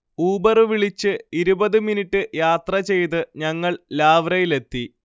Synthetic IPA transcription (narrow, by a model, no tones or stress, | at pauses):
uːbɐrɨʋiɭit͡ɕːɨiɾubɐðɨminiʈːɨjaːt̪rɐt͡ɕe̞jt̪ɨɲɐŋːɐɭlaːʋrɐjile̞t̪ːi